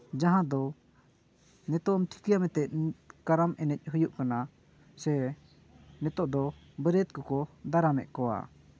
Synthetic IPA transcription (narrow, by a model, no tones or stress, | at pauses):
d͡ʒaɦãd̪ɔ | nɛt̪ɔʔmt̪ʰi̥kijamɛt̪ɛʔ̚kaɾamɛnɛc̚ˀɦɯjuʔkana | sɛ | nɛt̪ɔʔd̪ɔ | bəɾɛt̪̚kɔkɔd̪aɾamɛ̰ʔ̚kɔwa̰